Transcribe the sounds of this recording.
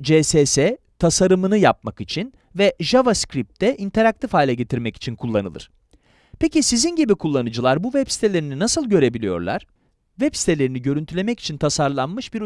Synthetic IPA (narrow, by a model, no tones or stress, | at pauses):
d͡ʒeːsesɛ | t̪ʰasaɾɯmɯnɯjap̚makit͡ʃʰin | vɛʒavaskɾip̚t̪ʰɛʔint̪ʰe̞ɾak̚t̪ʰifaːilʲaɟe̞t̪ʰiɾmɛci̥t͡ʃʰinkʰulˠːanɯlˠɯ̰ɾ̥ | pʰecisizinɟibikʰulˠːanɯd͡ʒɯlˠaɾbuvɛpsi̥t̪ʰelʲe̞ɾininasɯlˠɟø̞ɾe̞bilʲijo̞̰ɾlˠa̰ɾ̥ | vɛpsi̥t̪ʰelʲe̞ɾiniɟøɾynt̪ʰylʲe̞mɛci̥t͡ʃʰint̪ʰasaɾlˠanmɯʃbiɾ